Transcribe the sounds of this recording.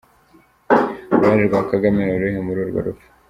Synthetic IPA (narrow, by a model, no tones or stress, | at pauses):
waɾiɾɡwaːkaɡameuɾeɦemuɾuɾɡo̰ɾufu̥